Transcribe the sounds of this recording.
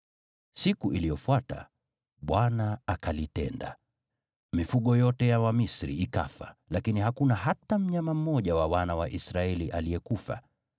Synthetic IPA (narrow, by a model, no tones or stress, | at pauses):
sikuʔilijɔfwata̰ | ɓwanaakalitɛ̰nda̰ | mifuɠɔjɔtɛjawamisɾḭika̰fa̰lakiniɦakunaɦatam̩ɲamam̩mɔʄawawanawaʔisɾaɛliʔaliɛkufa̰